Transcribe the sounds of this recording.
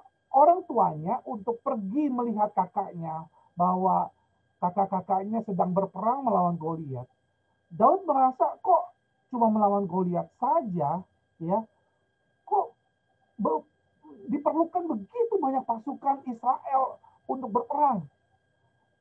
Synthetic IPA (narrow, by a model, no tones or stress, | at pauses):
ʔoɾaŋt̪uaɲaʔunt̪ʊk̚pərɡiməliɦat̪̚kakaʔɲa | baɦwa | kakakakaʔɲasədaŋbərpəɾaŋməlawanɡoliat̪̚ | daʊt̪̚məɾasakɔʔ | t͡ʃumaməlawanɡoliat̪̚sad͡ʒa | ja | kɔʔ | bə | dipərlukanbəɡit̪ubaɲak̚pasukanisɾaʔɛl | unt̪ʊk̚bərpəɾaŋ